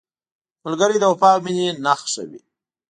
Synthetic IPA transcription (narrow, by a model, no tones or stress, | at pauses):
mʊlɡəɾid̪əwapɑminenaxʃə̰wḭ